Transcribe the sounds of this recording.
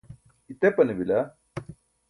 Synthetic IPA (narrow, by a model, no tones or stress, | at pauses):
it̪epɐnɐbilɐ